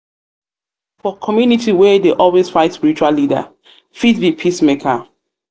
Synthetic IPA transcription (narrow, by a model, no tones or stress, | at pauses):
fɔkʰɔmjunitiwɛdeʔɔlwesfaɪtspiɹit͡ʃualːida̰ | fitbipʰismekʰa